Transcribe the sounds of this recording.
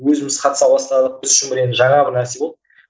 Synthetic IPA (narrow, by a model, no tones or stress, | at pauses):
wɵzɪmɪz̥qʰɑt̪əsɑwɑst̪ɑlˠəq̚bɪzʏʃɪnmbɪɾenɪʒɑɴɑbɪɾnæɾse̞bo̞lˠd̪